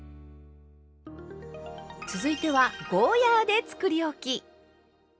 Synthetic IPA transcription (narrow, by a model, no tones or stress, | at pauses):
t͡sɨzɨit̪e̞βaɡoːjaːd̪e̞t͡sɨ̥kɯ̟ɾʲio̞kʲi